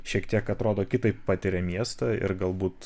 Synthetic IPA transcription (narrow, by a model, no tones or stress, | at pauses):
ʃʲiɛkt̪ʲiɛkɐt̪ɾoːd̪oːkʲɪt̪ɐɪppɑːt̪ʲɪɾʲɛmʲiɛst̪ɑɪ̰ɾɡɐlˠbuːt̪